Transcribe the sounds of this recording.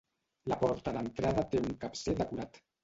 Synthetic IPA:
lapɔɾt̪aðənt̪ɾaðət̪euŋkapsed̪əkuɾat̪

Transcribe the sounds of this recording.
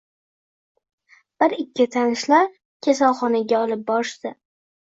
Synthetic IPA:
b̥ɪɾɪkʲːɪt̪ʰanɪʃlaɾ | kʲʰesalˠχɒnaɡʲaɒlˠɪp̚bɒʃt̪ɪ

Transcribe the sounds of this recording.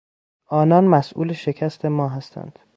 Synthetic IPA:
ʔɒːnɒːnmæsʔṵːleʃe̞cʰæst̪ʰe̞mɒːɦæst̪ʰæ̰nd̪̥

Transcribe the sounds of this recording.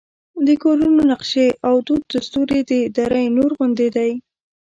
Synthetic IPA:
d̪əkoɾunonaqʃeʔawd̪ud̪̚ːast̪uɾed̪əd̪aɾəjnoɾɣʊnd̪ed̪aj

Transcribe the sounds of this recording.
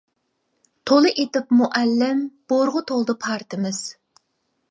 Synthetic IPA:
t̪ʰolˠɨʔet̪ɪpmuʔælːɪmb̥oɾʁʊt̪ʰolˠd̪ɨpʰɑɾt̪ʰɪmɪz̥

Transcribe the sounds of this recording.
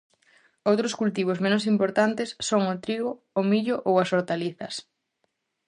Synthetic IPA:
owt̪ɾʊskult̪iβʊzmẽnʊs̬impoɾt̪ant̪esːoŋʊt̪ɾiɣoːmiʎʊʔowɐsoɾt̪aliθɐs

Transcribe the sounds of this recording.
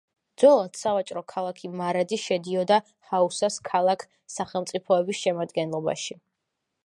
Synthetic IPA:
d̪zwɛlˠad̪̥savat͡ʃʼɾɔkʰalˠakʰimaɾad̪iʃɛd̪iɔd̪a | hausaskʰalˠakʰ | saχɛlˠmt̪sʼipʰɔɛbisʃɛmad̪ɡɛnlˠɔba̰ʃi

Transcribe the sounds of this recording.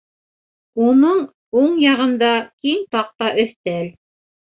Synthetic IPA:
unɤɴ | uɴjɑʁɤ̆nd̪ɑkiŋt̪ɑq̚t̪ɑʔɵ̆θt̪æl

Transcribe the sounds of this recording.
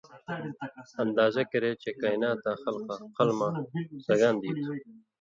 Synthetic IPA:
ɐnd̪aːzɐkɐɾeːt͡ɕekaːjnaːt̪ːãːxɐlqaqɐlmãːsɐɡaːnd̪iːt̪ʰu

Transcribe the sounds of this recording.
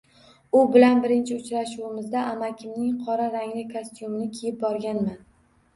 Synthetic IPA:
ʊbɪlanbɪɾɪnt͡ʃʰɪʊt͡ʃɾaʃuwɪmɪzd̪aʔamakʲʰɪmnɪŋqʰɒɾaɾaŋlɪkʰost̪jumɪnɪkʲʰejɪp̚bɒɾɡʲanman

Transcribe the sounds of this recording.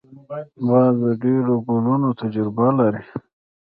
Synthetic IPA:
bɑzd̪əɖeɾoɡulunot̪ʰad͡ʒɾbalaɾi

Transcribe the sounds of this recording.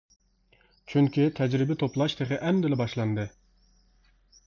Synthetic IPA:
t͡ʃʰyŋkʲʰit̪ʰɛd͡ʒɾɪbɪt̪ʰoplˠɑʃt̪ʰeʁɪʔɛmd̪ɪlɪbɑʃlˠɑnd̪ɨ

